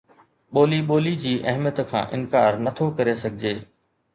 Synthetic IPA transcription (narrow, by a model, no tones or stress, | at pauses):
ɓoːliɓoːlid͡ʑiːʔɐɦmjət̪kʰã̰ːʔɪ̰nkaːɾnɐt̪ʰokɐɾesɐɡʱɪd͡ʑeː